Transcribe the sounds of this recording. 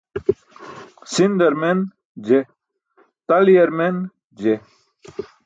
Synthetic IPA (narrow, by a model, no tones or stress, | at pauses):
sind̪ɐɾmen | d͡ʑe | t̪ɐlijɐɾmen | d͡ʑe